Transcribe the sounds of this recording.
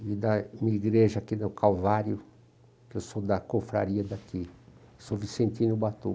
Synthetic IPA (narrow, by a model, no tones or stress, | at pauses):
id̪ɐmĩiɡɾeʒɐakinʊkalvaɾjʊ | kewsod̪ɐkofɾa̰ɾiɐd̪aki | sovisẽnt̪ĩnʊbat̪ṵ